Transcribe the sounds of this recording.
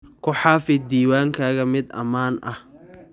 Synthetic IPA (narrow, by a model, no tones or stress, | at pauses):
kʰʊħaːfɪd̪iːwaːŋkʰaːɣɐmɪd̪ɐ̰maːnʔɐh